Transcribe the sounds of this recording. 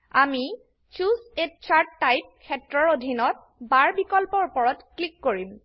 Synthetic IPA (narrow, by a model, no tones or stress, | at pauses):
ami | t͡ʃusett͡ʃaɹtːajp̚kʰɛtɹɔɹodʱinɔt̚ | baɹbikɔlpɔɹupɔɹɔtklikːoɹim